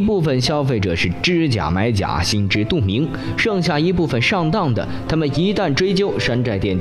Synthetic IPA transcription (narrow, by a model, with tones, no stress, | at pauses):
pu˥˩fə˨˩nɕjɑ˥ʊfe˥˩ɪʈ͡ʂɤ˨˩ʂɻ̩˥˩ʈ͡ʂɻ̩˥˩t͡ɕja̰˨˩ma˧˥ɪt͡ɕja̰˨˩ɕi˥nʈ͡ʂɻ̩˥t̪u˥˩mi˧˥ŋ | ʂɤ˥˧ŋɕja˥˩i˧˥pu˥˩fə˨nʂɑ˥˧ŋt̪ɑ˥˩ŋd̪ə̰˩t̪ʰa˥mə˨ni˧˥t̪a˥˩nʈ͡ʂwe˥ɪt͡ɕjo˥ʊʂa˥nʈ͡ʂa˥˧ɪt̪jɛ˥˩n